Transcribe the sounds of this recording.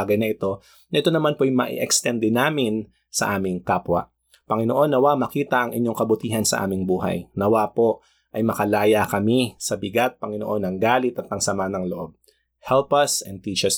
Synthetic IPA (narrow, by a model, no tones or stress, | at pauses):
ɡɐjnɐʔɪt̪o̞ | nɐʔɪt̪o̞nɐmanpoʔɐjmɐʔḭʔɛkst̪ɛnd̪ɛnaːmɪn | sɐ̰ʔaːmɪŋkaːpwɐ̰ | pɐŋɪnoʔo̞nːɐwaʔmɐkiːt̪ɐʔɐŋʔɪɲjo̞ŋkɐbʊt̪iːɦɐnsɐ̰ʔa̰ːmɪŋbuːɦɐ̰jnɐwapo̞ | ʔɐjmɐkɐlaːjɐkɐmisɐbɪɡat̪̚pɐŋɪnoʔo̞nɐŋɡaːlɪt̪ɐt̪̚ːɐŋsɐmanɐŋlo̰ʔo̞b̚ | hɛlpɐsɛnd̪̚t̪iːt͡ʃɐs